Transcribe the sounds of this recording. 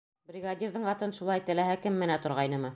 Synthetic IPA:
brʲiɡadʲiɾðɤɴɑt̪ɤnʃulˠɑjt̪ɘ̆læɦækɘmːɘ̆næt̪ŏɾʁɑjnɤmɤ

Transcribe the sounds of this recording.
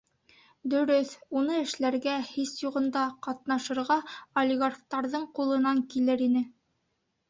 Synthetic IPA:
d̪ɵ̆ɾɵθunɤɘ̆ʃlæɾɡæhisjuʁɤ̆nd̪ɑqɑt̪̚nɑʃɤ̆ɾʁɑolʲɪɡarχt̪ɑɾðɤɴqulˠɤ̆nɑŋkilɘɾinɘ

